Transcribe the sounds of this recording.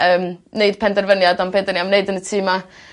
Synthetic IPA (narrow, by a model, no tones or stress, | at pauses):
əːmneɨd̥pʰɛndɛrvənjadampʰɛndənjamneɨdənətʰiːma